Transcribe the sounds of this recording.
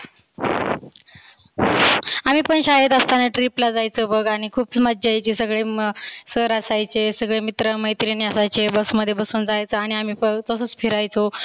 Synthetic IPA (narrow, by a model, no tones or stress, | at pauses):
amiːpəɳɕaɦet̪əst̪anəʈɾiplad͡zajt͡sobəɡaɽ̃ikʰuːpsməd̪d͡ʑajt͡ɕisəɡɭesəɾəsajt͡ɕesəɡɭemit̪ɾəməjt̪ɾiniəsajt͡ɕebəsməd̪ʱːjebəsuːnd͡zajt͡səaɽ̃iamiːpəɡt̪əsəːt͡spʰiɾajt͡so